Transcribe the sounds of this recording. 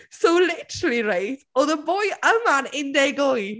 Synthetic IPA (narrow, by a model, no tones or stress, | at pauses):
soʊlɪtəɾəlˠiɾeɪtɔðəbɔjəmanɪ̃nd̪ɛɡoj